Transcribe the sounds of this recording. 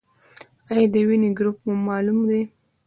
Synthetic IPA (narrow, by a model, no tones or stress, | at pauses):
ajɑd̪əwineɡɾupmumɑlumd̪e